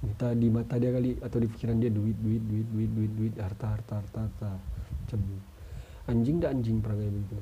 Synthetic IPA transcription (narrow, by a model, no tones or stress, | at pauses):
mt̪adimat̪adiakaliat̪awdifi̥kiɾandiaduɪt̪̚duɪt̪̚duɪt̪̚duɪt̪̚duɪt̪̚duɪt̪̚hart̪aɦart̪aɦart̪aɦart̪at͡ʃəm | aɲd͡ʒɪŋdaːɲd͡ʒɪŋpəɾaɡajbəɡit̪u